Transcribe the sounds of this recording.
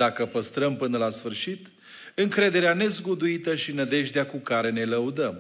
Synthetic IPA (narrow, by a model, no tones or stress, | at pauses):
d̪akəpəst̪ɾəmpɨnəlasfɨrʃit̪ | ɨŋkɾe̞d̪e̞ɾeane̞zɡud̪uit̪əʃinəd̪e̞ʒd̪eakukaɾe̞ne̞ləud̪əm